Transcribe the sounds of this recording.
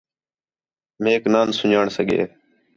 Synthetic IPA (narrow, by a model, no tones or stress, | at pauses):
meːknaːnsʊɲaːɳsəɡʱḛː